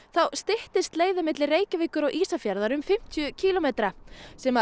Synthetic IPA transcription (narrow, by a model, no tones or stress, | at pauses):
θawst̪ɪht̪ɪst̪leːjðʏmɪt̪lɪreːjcɪvɪːkʏɾawʔiːsafjaɾðaɾʏmfɪm̥t̪ʰjʏcʰiːlomejt̪ɾasɛma